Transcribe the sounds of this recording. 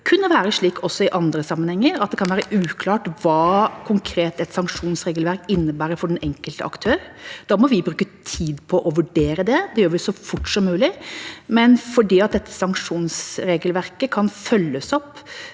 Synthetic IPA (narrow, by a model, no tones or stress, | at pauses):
kʰʉnːəʋæːɾəʂɭiːkɔsːɔɪʔɑnd̪ɾəsɑmːənhɛŋːəɾɑt̪̚d̪ɛkʰɑnʋæːɾəʔʉːkʰlɑːʈʋɑːkʰʊŋkʰɾeːt̪ɛt̪sɑŋkʂuːnsɾeːɡəlʋæɾkɪnːəbæːɾəfɔɖɛnɛŋkəlt̪ə̰ʔɑ̰kt̪ʰøːɾd̪ɑːmɔʋɪbɾʉːkət̪ʰiːd̪pʰɔʔɔʋʉɖeːɾəd̪ɛd̪ɛjøːɾʋɪsɔfʊʈːsɔmːʉːlɪmɛnfɔɖiːɑt̪̚d̪ɛt̪ʰːə̥sɑŋkʂuːnsɾeːɡəlʋæɾkəkʰɑnfœlːəsɔpː